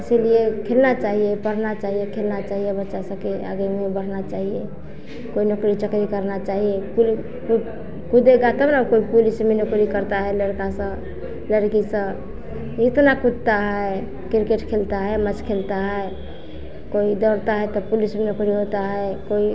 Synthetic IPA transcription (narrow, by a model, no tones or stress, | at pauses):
əsiliekʰelnat͡ʃaɦijepəɽ̤nat͡ʃaɦijekʰelnat͡ʃaɦijebətːʃasə̃kea̰ɡemebəɽ̤nat͡ʃaɦije | koinukɾit͡ʃəkɾikəɾnat͡ʃaɦijepuli | ku | kud̪eɡat̪əbnakoipulismenukɾikəɾt̪aɦɛləɾkasə̃ | ləɾkisə̃ | it̪nakud̪t̪aɦəe | kɾkeʈkʰelt̪aɦəemət͡ʃkʰelt̪aɦəe | koid̪ɔɾt̪aɦɛt̪ɔpulismenukɾiɦot̪aɦəekoi